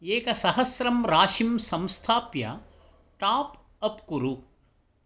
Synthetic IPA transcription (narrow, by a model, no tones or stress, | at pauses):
eːkɐsɐɦɐsɾɐmɾaːʃimsɐmst̪ʰaːpjɐ̰ | ʈaːp | ɐpkuɾu